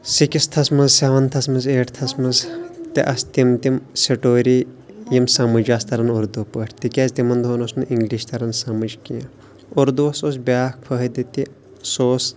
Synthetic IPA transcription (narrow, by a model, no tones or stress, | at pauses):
sikist̪ʰɐsmɐzsʲaːʋɐnt̪ʰɐsmɐzeːʈt̪ʰɐsmɐzt̪iʔɐst̪imt̪imseʈoːɾi | jimsɐmɐd͡ʒaːst̪ʰɐɾɐnuɾd̪upəʈʰʲt̪ikʲezʲt̪imɐnd̪ʱoːnosnuʔiŋɡliːʃt̪ɐɾɐnsɐmɐd͡ʒkijã | uɾd̪uɐsoːsbʲaːfʰɐɦɐd̪it̪i | soːs